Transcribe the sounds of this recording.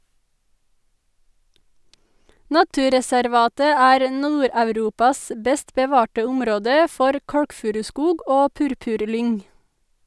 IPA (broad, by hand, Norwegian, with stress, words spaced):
ˈnɑtʉːɾɛsæɾˌʋɑːtə ˈæːɾ ə ˈnuːɾɑʉˌɾuːpɑs ə ˈbɛst bəˈʋɑːʈə ˈʊmɾoːdə ˈfɔɾ ˈkɑɽkˌfʉːɾʉˌskuːɡ ˈʔoː ˈpʉɾpʉʁˌlʏŋ